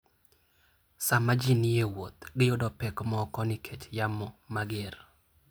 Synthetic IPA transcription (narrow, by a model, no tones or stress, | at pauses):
samad͡ʒinijewot̪ɡɪjodɔpɛkmɔkɔnɪkʰet͡ʃjamɔmaɡɪr